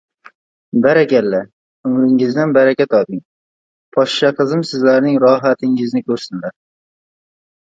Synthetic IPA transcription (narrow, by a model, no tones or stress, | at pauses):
baɾakʲalla | ʊmɾɪŋɪzd̪anbaɾakʲat̪ɒd̪ɪŋ | pʰɒʃʃaqʰɨzɪmsɪzlaɾnɪŋɾɒɦat̪ʰɪŋɪznɪkʲʰɵɾsɪnlaɾ